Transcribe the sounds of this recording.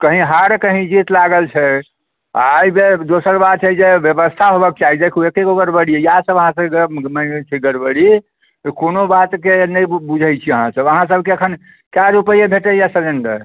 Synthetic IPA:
kəɦĩɦaɾkəɦĩd͡ʒit̪laɡəlt͡ʃʰɛ | a̰ːjbed̪osəɾbat̪t͡ʃʰɛd͡ʒebjəbəst̪ʰaɦobək̚t͡ʃaɦid̪ekʰuekekobəɾbəɽijejasəbəɦãsəbkeɡmət͡ʃʰiɡəɾbəɽi | t̪konobat̪kenəjbud͡ʒʱəjt͡ʃʰiəɦãsəbəɦãs̬əb̚ʱkeəkʰən | kajɾupəjebʱeʈəjasəɾenɖə̰ɾ

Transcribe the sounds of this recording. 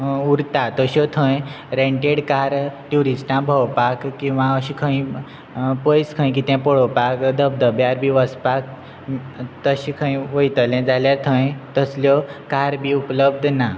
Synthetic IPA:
uɾt̪at̪əɕɔt̪ʰə̃j | ɾẽɳʈeɽkaɾʈuɾisʈãbʱəwpakkːĩw̃ʋãəɕikʰə̃ĩ | pəjskʰə̃j̃k̬it̪jãpɔɽopakd̪əb̚d̪əbjaɾbʱiʋəspak̚ | t̪əɕikʰə̃ĩʋəjt̪əlɛ̃d͡zaljat̪ʰə̃jt̪əsljɔkaɾbʱiupləbd̪ʱna

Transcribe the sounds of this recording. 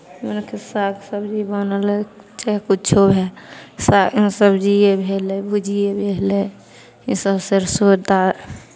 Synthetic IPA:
menkʰesaksəbd͡ʒibənəle | t͡ʃɛkut͡ʃʰobʱɛsaĩsəbd͡ʒiebʱeːlebʱud͡ʒijebʱele | ĩsəbseɾsod̪a

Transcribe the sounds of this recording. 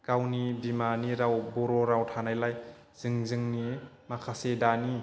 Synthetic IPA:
kawnibimaniɾawbɔɾɔɾawtʰanajlaj | z̥ɯŋzɯŋni | makʰasedani

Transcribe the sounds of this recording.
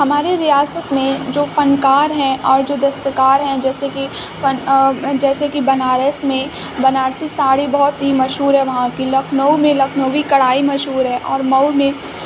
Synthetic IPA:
hɐmaːɾeɾijaːsət̪mẽd͡ʒoːfɐnkaːɾɦɛ̃ʔɔːɾd͡ʒoːd̪ɐst̪əkaːɾɦɛ̃d͡ʒɛːseki | fɐnd͡ʒɛːsekibɐnaːɾəsmẽ | bɐnaːɾsisaːɽibɔɦɔt̪ɦimɐʃɦuːɾɦɛʋɐɦãkilɐkʰnəumẽlɐkʰnəʋikɐɽaːimɐʃɦuːɾɦɛʔɔːɾmɐwmẽ

